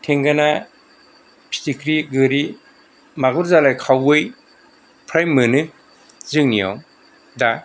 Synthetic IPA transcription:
tʰeŋɡana | pʰi̥tikʰɾiɡɯɾi | maɡuɾzalajkʰawɯj | pʰɾajmɯnɯ | zɯŋnija̰w | da

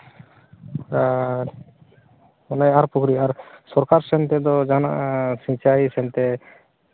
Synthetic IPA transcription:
ɔnajaɾpukʰɾiaɾsɔɾkaɾsɛnt̪ɛd̪ɔd͡ʒana̰ʔsĩt͡ʃajisɛnt̪ɛ

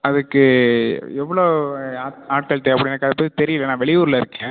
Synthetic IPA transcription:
ɐðɯkːɯ | ɛʋːɐɭoːaːnaːʈ̚kɐɭt̪eɐpːɐɽɪnːɾɯkːaɐðɛpːoːðit̪ɛɾɪjɪlːɐnaːʋɛɭɪjuːɾlɐɪɾɯkːɛ̃ː

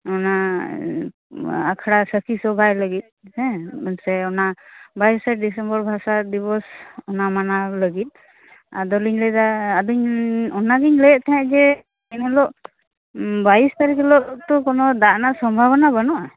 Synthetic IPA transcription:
ɔna | akʰaɽasəkʰisɔbʱajləɡit̪̚hɛ̃bənsɛɔnabajsaʈ̚ɖisɛmbɔɾbʱasad̪iβɔsɔnamanaləɡit̪̚ˀ | a̰d̪ɔliɲlɛd̪aːd̪uɲɔnaɡiɲləjɛʔt̪ʰaɛ̃d͡ʒɛ | ɛnɛlɔʔ | baist̪aɾikɛlɔʔt̪ɔkɔnɔd̪aʔnaʔsɔmbʱabɔnabanɔʔa

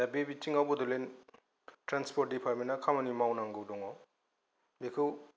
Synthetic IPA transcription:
dabebitiŋawbɔdɔlen | tɾanspʰɔɾt̚dipʰaɾmenakʰamanimawnaŋɡowdɔŋɔw | bekʰɯw

